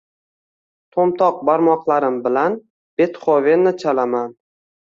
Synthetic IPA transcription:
t̪ʰomt̪ʰɒq̚baɾmɒqlˠaɾɪmbɪlan | b̥e̞t̪χɒvenːɪt͡ʃʰalaman

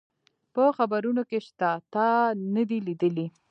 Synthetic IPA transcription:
pəxabaɾunokeʃt̪at̪anəd̪ilid̪əli

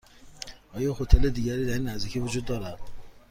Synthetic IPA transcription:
ɒːjɒːhot̪ʰeled̪iːɡæɾiːd̪æɾinːæzd̪ikʰiːvod͡ʒuːd̪̚ːɒːɾæd̪̥̚

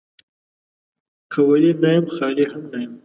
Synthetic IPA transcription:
kʰəwalinajamxɑlihamnajam

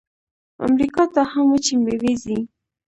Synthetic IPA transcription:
a̰mɾikɑt̪ahamwət͡ʃimbewezi

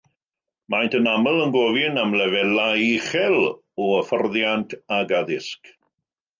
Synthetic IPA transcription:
majntʰənaməlˠənɡɔvɪnamlɛvɛlajiχɛlˠ | ɔəfərðjantʰaɡaðɪsk

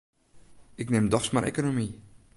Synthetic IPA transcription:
ɪknɪmdɔxsmarʔḛkonomi

